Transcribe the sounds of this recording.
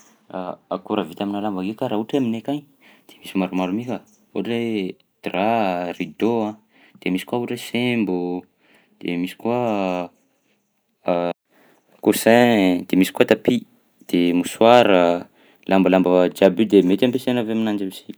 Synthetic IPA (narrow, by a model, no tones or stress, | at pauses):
aakuɾəvit̪aminalambakekaɾauʈ͡ʂeaminekaɲ | d̪̥emisimaɾumaɾumika | uʈ͡ʂe | d̪̥rarid̪oã | d̪̥emisi̥kuauʈ͡ʂesembu | d̪̥emisi̥kua | kusɛd̪̥emisi̥kuat̪api | d̪̥emusuaɾə | lambalambəd͡ʒabyd̪emet̪ampesenaveaminand͡ʒamisi̥